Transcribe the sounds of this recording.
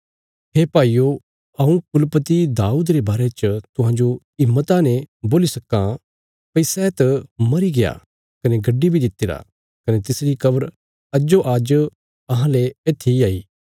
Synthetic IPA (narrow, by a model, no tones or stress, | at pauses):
ɦeːpaːiːjo | ɐũkʊlpət̪id̪aːuːd̪ɾebaːɾet͡ʃt̪ʊɦãːd͡ʒo | ɪmːət̪anɛ̃boːlisɐkːã | pɐɪsɛet̪mɐɾiɡeja̰ | kɐneɡɐɖːibʱid̪ɪt̪ːeːɾa̰ | kɐnet̪ɪsɾikɐbəɾ | ɐd͡ʒoʔaːd͡ʒ | ɐɦãleeːt̪ʰiaːiː